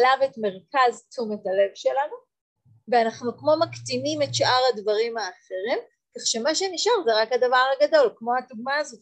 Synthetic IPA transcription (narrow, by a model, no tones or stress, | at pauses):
lavetme̞ʁkaztumethale̞vʃe̞lanu | veanaχnukmo̞maktimimetʃʔaʁhadvaʁimhaːχe̞ʁim | kaχʃe̞maʃeniʃaʁzeʁakhadavaʁaɡado̞lkmo̞haduɡmaːzot